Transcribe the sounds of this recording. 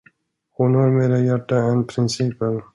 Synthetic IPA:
hʊnhaɾmeːɾajæʈːaɛnpʰɾɪnsiːpən

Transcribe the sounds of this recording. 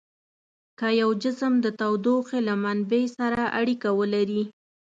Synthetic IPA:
kajawd͡ʒɪsəmd̪ət̪awd̪oxelamanbejsaɾaʔaɽikawəlaɾi

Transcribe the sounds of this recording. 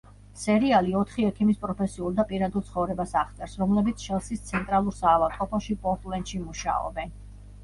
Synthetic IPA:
sɛɾialiɔt̪ʰχiɛkʰimispʼɾɔpʰɛsiulˠd̪apʼiɾad̪ɛlˠt̪sʰχɔvɾɛbasaʁt̪sʼɛɾsɾɔmlɛbit̪sʰʃɛlˠsist̪sʰɛnt̪ʼɾalˠuɾsaːvat̪ʼqʼɔpʰɔʃipʼɔɾt̪ʼlɛnt̪ʃimuʃa̰ɔ̰bɛn

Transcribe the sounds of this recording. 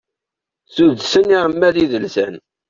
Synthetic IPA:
θuðsəniʁəmːæðiðəlsæn

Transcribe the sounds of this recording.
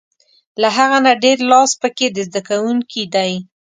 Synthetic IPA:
laɦaɣanaɖeɾlɑspəked̪əzd̪akawuŋkʰid̪aj

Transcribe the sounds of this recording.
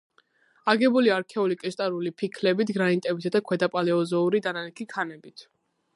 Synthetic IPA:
aɡɛbuliaɾkʰɛulikʼɛʃt̪ʼaɾulipʰikʰlɛbit̪ʰɡɾanit̪ʼɛbit̪ʰad̪akʰwɛd̪apʼalɛɔzɔuɾid̪ananɛkʰikʰanɛbit̪ʰ

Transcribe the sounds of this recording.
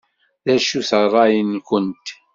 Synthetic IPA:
ðæʃuθərˤːɑjənkʷənt̪

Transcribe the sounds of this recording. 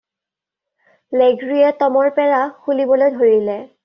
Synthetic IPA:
leɡɹiɛtɔmɔɹpɛɹaxulibɔlojdʱoɹilɛ

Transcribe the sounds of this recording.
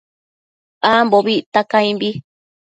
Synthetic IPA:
amboβit̪akãĩmbi

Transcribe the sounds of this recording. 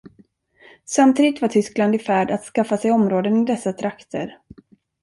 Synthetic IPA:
samt̪ʰiːd̪ɪt̪vaʈʰʏskland̪ɪfæːɖat̪skafːasɛjɔmɾoːd̪ənɪd̪ɛsːat̪ʰɾakt̪ʰə̰ɾ

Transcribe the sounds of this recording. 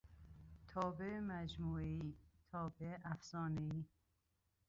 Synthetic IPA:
t̪ʰɒːbemæd͡ʒmuːeiːt̪ʰɒːbeʔæfsɒːneiː

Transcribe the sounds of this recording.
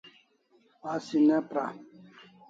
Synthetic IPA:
asinɛ̃pɾa

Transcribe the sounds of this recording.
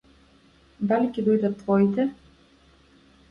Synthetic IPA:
d̪alʲikʲid̪ɔjd̪at̪ːvɔit̪ɛ

